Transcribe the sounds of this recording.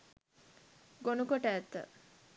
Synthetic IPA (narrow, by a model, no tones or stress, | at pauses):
ɡonukoʈəæt̪ːə̰